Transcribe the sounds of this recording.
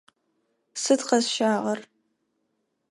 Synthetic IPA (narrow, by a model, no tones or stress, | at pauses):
sɨdqɐzʃaːʁɐr